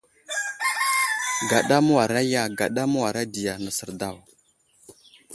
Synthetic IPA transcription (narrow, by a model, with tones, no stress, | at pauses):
ɡa˨ɗa˦mu˦wa˨ɾa˦ja˦˨ɡa˨ɗa˦mə˦wa˨ɾa˦di˨ja˨nə˨sə˨ɾda˦˨w